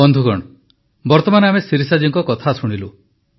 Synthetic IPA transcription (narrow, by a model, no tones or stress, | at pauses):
ɔnd̪ʱuɡɔɽ̃ | bɔɾt̪ɔmanɔamesiɾisad͡ʒiŋkɔkɔt̪ʰasuɽ̃ilu